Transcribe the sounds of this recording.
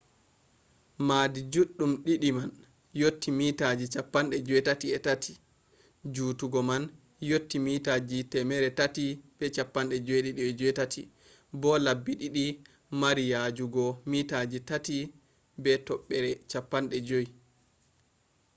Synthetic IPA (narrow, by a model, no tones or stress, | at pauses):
maːdid͡ʒuɗːumɗiɗiman | jotːimitad͡ʒit͡ʃapːanɗɛd͡ʒojtatiɛtatʰi̥ | d͡ʒutuɡɔman | jotːimiːtad͡ʒitɛmɛɾɛtatib̥ɛt͡ʃapːanɗɛd͡ʒojɗiɗiɛd͡ʒɔjtatʰi | bɔlabːiɗiɗi | maɾijad͡ʒuɡɔmitad͡ʒitati | bɛtɔɓːɛɾɛt͡ʃapːanɗɛd͡ʒoj